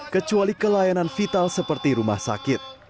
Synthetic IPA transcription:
kət͡ʃualikəlajananfit̪alsəpərt̪iɾuma̰hsa̰kɪt̪̚

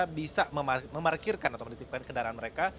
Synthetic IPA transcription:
bisaməmaməmarkirkanat̪awməndit̪ik̚kankədaɾaɦanməɾeka

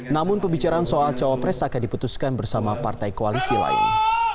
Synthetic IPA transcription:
namʊnpəbit͡ʃaɾaːnsoalt͡ʃawapɾɛsakandiput̪uskanbərsamapart̪ajkoalisila̰ɪ̰n

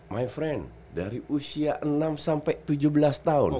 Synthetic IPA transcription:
majfɾɛn | daɾiʔusiaʔənamsampajt̪ud͡ʒubəlast̪aʊ̰n

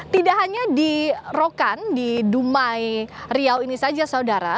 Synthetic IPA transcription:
t̪idaʔɦaɲadirokandidumajriawinisad͡ʒasaudaɾa̰

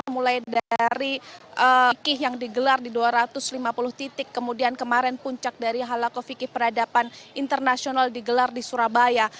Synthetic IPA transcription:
mulajdaɾiʔəkɪɦjaŋdiɡəlardiduaɾat̪ʊslimapulʊht̪it̪ɪkːəmudiankəmaɾɛnpuɲt͡ʃak̚daɾiɦalakofikɪhpəradapanint̪ərnasionaldiɡəlardisuɾabaja

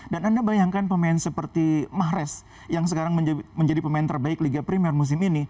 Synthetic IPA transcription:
danandabajaŋkanpəmaɛnsəpərt̪imaɦɾɛs | jaŋsəkaɾaŋməɲd͡ʒməɲd͡ʒadipəmaant̪ərbaɪkliɡapɾimiɛrmus̬ɪmini

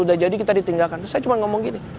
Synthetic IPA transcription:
udahd͡ʒadikit̪adit̪iŋɡalkant̪ʊsajat͡ʃumanŋɔmɔŋɡini

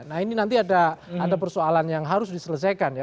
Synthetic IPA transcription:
nahininant̪iadaadapərsoalanjaŋɦaɾʊsdisələs̬ajkanja

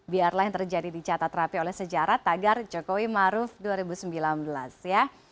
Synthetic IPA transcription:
biarlajŋt̪ərd͡ʒadidit͡ʃat̪at̪rapiolɛhsəd͡ʒaɾat̪aɡard͡ʒokowimaɾʊfduaɾibusəmbilanbəlasja

